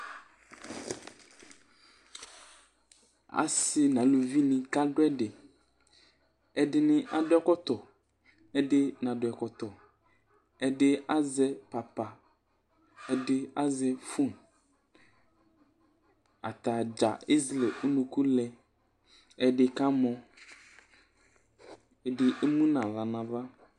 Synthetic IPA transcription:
a̰˨si˨nã˨˦lo˨vi˦nɪ̃˨ka˦ɖo˦ɛ˦ɖe˨ | ɛ˨ɖɪ˦nɪ̃˦ʔa˨dʊ˦ɛ˦kɔ˦t̪ɔ˨ | ɛ˦ɖɪ˦nã˨dʊ˨ɛ˨kɔ˨t̪ɔ˨ | ɛ˦ɖɪ˦ʔa˦zɛ˦pa˨pa˨ | ɛ˨dɪ˦a˦zɛ˨fu˦˨n | a̰˨t̪a˨d͡ʒa̰˨i˦zlɛ˨ʔu˦nũ˨ku˦lɛ˨ | ɛ˨dɪ˨ka˦mɔ̃˨ | ɛ˨dɪ˨ʔe˦mũ˦nã˨la˨nã˨va˦

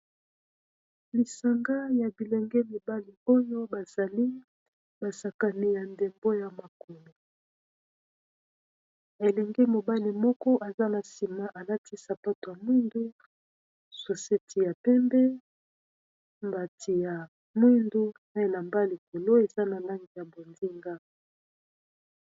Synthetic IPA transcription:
li˨sa˨ŋɡa˦ja˨bi˨lɛ˨ŋɡɛ˦mi˨ba˦li˨o˦jo˦ba˨za˨li˦ | ba˨sa˨ka˨ni˨ja˨nde˨mbo˦ja˨ma˨ko˨lo˨ | e˨lɛ˨ŋɡe˦mo˨ba˦li˨mɔ˦kɔ˦ʔa˨za˦na˨si˨ma˨ʔa˨la˦tʰi˦sa˨pa˦to˨ja˨mwi˦ndu˦ | so˨se˦tʰi˨ja˨pɛ˦mbɛ˦ | mba˨tʰi˨ja˨ | mwi˦ndu˦na˦i˦˨na˨mba˦li˨ko˨lo˦e˨za˦na˨la˦ŋɡi˨ja˨bo˨ndi˦ŋɡa˦

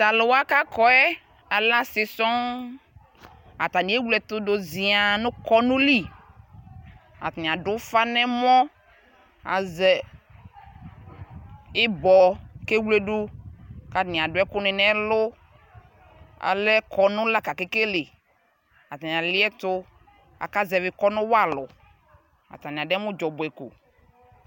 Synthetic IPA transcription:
t̪a˨lʊ˨wa˦ka˦kɔ˦ɛ˦ | a˨lã˦sɪ˨sɔ˦ | a˨t̪a˨nĩ˨˦e˦wlɛ˨t̪ʊ˦do˨zi˨a˨nʊ̃˦kɔ˦nũ˦li˦ | a̰˨t̪nĩ˨a˨ɖʊ˦fa˦nɛ̃˦mɔ̃˦ | a̰˨zɛ˨ | ɪ˦bɔ˨ke˦wle˦ɖu˦ka˨nĩ˨ã˨ɖʊ˨˦ɛ˦kʊ˦nẽ˨nɛ̃˦lo˦ | a̰˨lɛ˦kʰɔ˨nʊ̃˦la˦ka˨ke˦ke˦le˨ | a˨t̪ĩ˨a˨li˦ɛ˦t̪o˦ | a̰˨ka˦zɛ˨ve˨kɔ˦nʊ̃˦wa˦˨lɔ˨ | a̰˨t̪ã˨nĩ˨a˨ɖɛ˦mũ˦d͡ʒɔ˨bo˨ɛ˨ko˨

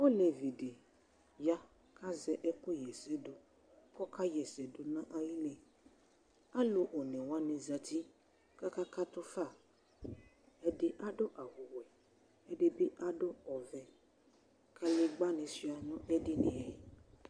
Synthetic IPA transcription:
o˦le˨vi˨de˨ | ja˦ | ka˦zɛ˦ʔɛ˦kʊ˦jɛ˨sɛ˨˦dʊ˧ | kɔ˦ka˦jɛ˨sɛ˨du˨nã˦ʔa˧ji˦le˨ | a˦lu˧ʔo˨nɛ̃˨wa˨˦nĩ˧za˧ti˦ | ka˦ka˦ka˦tʊ˦fa˦˨ | ɛ˧dɪ˦ʔa˦dʊ˦ʔa˨hu˨wɛ˨ | ɛ˨de˦bi˦ʔa˦dʊ˦ɔ˨vɛ˨ | kʰa˦le˧ɡ͡ba˦nɪ̃˧si˦a˨nɔ̃˦ʔɛ˦dɪ˦nĩ˨ɛ˨i˨˦

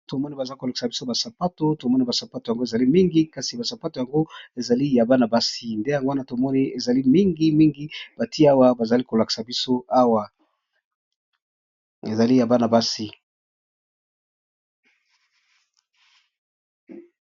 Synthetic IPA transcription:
to˨mɔ˦ni˦ba˨za˦i˦ko˨la˨ki̥˨sa˨bi˦so˦ba˨sa˨pa˦to˦to˨mɔ˦ni˦ba˨sa˨pa˦to˨ja˨ŋɡo˦e˨za˨li˦mi˦ŋɡi˦ka˨si˨ba˨sa˨pa˦to˨ja˨ŋɡo˦e˨za˨li˦ja˨ba˦na˨ba˦si˦nde˦ja˨ŋɡo˦wa˦na˦to˨mɔ˦ni˦e˨za˨li˦mi˦ŋɡi˦mi˦ŋɡi˦b̥a˨ti˦a˦wa˦ba˨za˨li˦ko˨la˨ki̥˨sa˨bi˦so˦a˦wa˨ | e˨za˨li˦ja˨ba˦na˨ba˦si˦

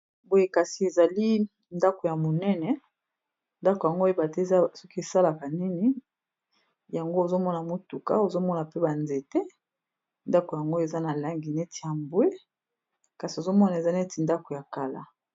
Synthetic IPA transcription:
bo˨je˦ka˨si˨e˨za˨li˦ | nda˦ko˨ja˨mo˨nɛ˦nɛ˨ | nda˦ko˨ja˨ŋɡo˦e˦ba˨te˦˨za˦sɔ˦ki˦e˨sa˦la˨ka˨ni˦ni˨˦ | ja˨ŋɡo˦o˨zo˦mɔ˦na˨mo˦tu˨ka̰˦o˨zo˦mɔ˦na˨pe˦ba˨nze˨te˦ | nda˦ko˨ja˨ŋɡo˦e˨za˦na˨la˦ŋɡi˨nɛ˦ti˨ja˨mbwe˦ | ka˨si˨o˨zo˦mɔ˦na˨e˨za˦nɛ˦ti˨nda˦ko˨ja˨ka˨la̰˦

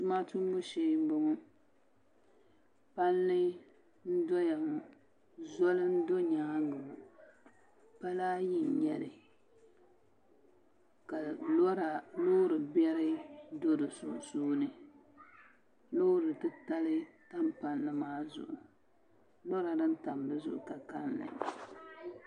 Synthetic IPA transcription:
tʊ˦ma˦tu˦mo˦ʃe˨˦m˦bo˦ŋʊ˦ | pa˦nlɨ˦ | n̩˦dɔ˦ja˨m˨ | zɔ˦lɨ˦n̩˦do˦ɲaː˦ŋɡɨ˨m˨ | pa˦laː˦ji˦˨ɲɛ˨lɨ˨ | ka˨˦ɾa˨lo˦ɾɨ˨bɛ˦ɾɪ˦do˦dɨ˨su˨suː˦nɨ˨ | lo˦ɾɨ˨tɨ˦ta˦lɨ˦ta˦mpa˨nːɨ˦maː˦zʊ̰˨ʔʊ˨ | lo˦ɾa˨dɨ˦n˦ta˨mbɨ˦zʊ̰˨ʔka˨ka˦nːɨ̰˨

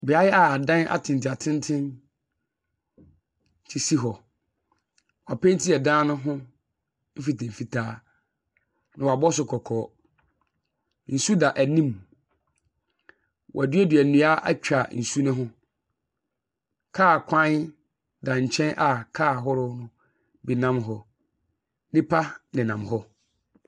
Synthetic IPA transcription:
bɪ˨a˦jɛ˦a˦a˨dã˦na̰˦tʰɪ̃˨n˨ti˨a˨tʰɪ̃˦ntʰɪ̃˦n | t͡ɕʰi˦si˦ɦɔ˨ | wa˨pɛ̃˦n˦tʰi˦ɛ˨dãː˦nʊ̃˦ɦʊ̃˦ | m̩˦fi˨tɛ̃˨m̩˨fi˨tʰaː˦ | nã˨wa˨bɔ˦s̬ʊ˨kʰɔ˨kʰɔː˨˦ | n̩˨su˦da˨ʔæ˨nĩ˦m | wʔa̰˨dɥɛ˦dɥɛ˨nũ˨a˦ʔa̰˦t͡ɕᶣa˨n̩˨su˦nʊ̃˦ɦʊ̃˦ | kʰaː˦˨kʷʰã˦ | dã˨ɲ̩˨t͡ɕʰɛ̃˦nʔa˨kʰaː˦˨ɦɔ˦ɾʊ˦nʊ̃˦ | bi˨nã˦mɦɔ˨ | nɪ̃˦pʰa˦nɪ̃˨nã˨mɦɔ˦

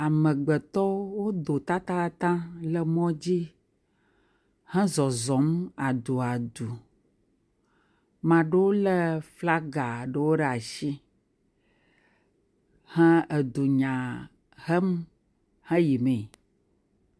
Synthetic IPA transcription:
a˨mə̃˨ɡ͡bɛ˨t̪ɔ˦wo˦d̪o˨t̪a˦t̪a˦ka˦t̪ã˦lə˦mɔ̃˦d͡ʑi˦ | hɛ̃˦zɔ˨zɔ̃˨˦ma˨d̪u˨a˨d̪u˨ | mã˨ɖə˦wo˦lə˦fla˦ɡa˨ɖə˨wo˦ɖɛ˦a˨ʃi˦ | hɛ̃˦ə˨d̪u˨ɲã˨ | ɦə˦m˦ | hɛ̃˦ji˨mɛ̃˨

